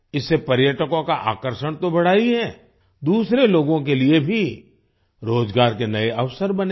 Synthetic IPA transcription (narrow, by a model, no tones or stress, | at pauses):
ɪsːepɐɾjəʈəkõkaʔa̰ːkəɾʃəɽ̃t̪obɐɽ̤aːiɦɛː | d̪uːsɾeloːɡõkeliebʱi | ɾoːd͡ʒɡaːɾkenɐeʔɐʋsəɾbɐne